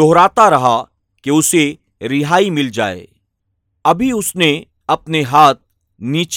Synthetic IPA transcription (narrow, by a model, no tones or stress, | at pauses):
oɦɾaːt̪aɾɐɦa | keʊse | ɾɪɦaːimɪld͡ʒa̰ːḛː | ɐbʱiʊsne | ɐpneɦaːt̪̚ | niːt͡ʃ